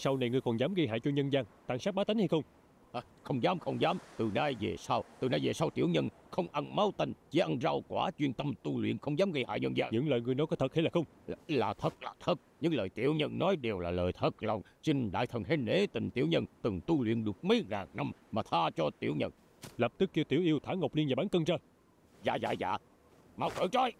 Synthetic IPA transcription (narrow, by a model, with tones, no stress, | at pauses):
sa˧wna˨˩jŋɨ˨əjkɔ˨˩nzaː˨˦mɣə˧jha̰ː˧˨jt͡ɕɔ˧ɲə˧nzaː˧ŋt̪aː˧˨ŋsaː˦˥k̚ɓaː˨˦t̪i˨˦ŋha˧jxə˧wŋ͡m | ʔaː˧˩ | xə˧wŋ͡mzaː˨˦mxə˧wŋ͡mzaː˨˦mt̪ɨ˨˩naː˧jvḛ˨˩saː˧wt̪ɨ˨˩na˧jve˨˩saː˧wt̪ḭ˧˩əwɲə˧n | xə˧wŋ͡mʔa˧nma˨˦wt̪i˧˩ŋ̟t͡ɕi˧˦ʔa˧nza˧wkwaː˧˩t͡ɕwi˧ənt̪ə˧mt̪u˧lwḭ˧˨ənxə˧wŋ͡mzaː˨˦mɣə˧jha̰ː˧˨jɲə˧nza̰ː˧ɲɨ̰˧˥ŋləː˨˩jŋɨ˨˩ənɔ˨˦jkɔ˨˦t̪ʰə˨˩t̚ha˧laː˨˩xə˧wŋ͡mlaː˨˩t̪ʰə˨˩t̚laː˨˩t̪ʰə˨˩t̚ɲɨ̰˧˥ŋləː˨˩jt̪ḭ˧˥əwɲə˧nnɔ˨˦jɗe˨˩wlaː˨˩ləː˨˩jt̪ʰə˨˩t̚la˨˩wŋ͡m | si˧ŋ̟ɗa̰ː˧˨jt̪ʰə˨˩nhe˧ne˧˥˦t̪ï˨˩ŋ̟t̪ḭ˧˥əwɲə˧nt̪ɨ˨˩ŋt̪u˧lwḭ˧˨ənɗɨ˨˩ək̚mə˨˦jɣaː˨˩ŋna˧mmaː˨˩t̪ʰaː˧t͡ɕɔ˧t̪ḭ˧˩əwɲə̰˧n | lə˨˩p̚t̪ɨ˦˥k̚ːi˧wt̪i˧˩əwʔi˧əwt̪ʰaː˧˥˦ŋə˨˩k͡p̚li˧əna˨˩ɓaː˨˦ŋt̪ɨ˧ŋzaː˧ | za̰ː˧˨za̰ː˧˨za̰ː˧˨ | ma˨˧˩wkə̰ː˧˩t͡ɕɔ˧j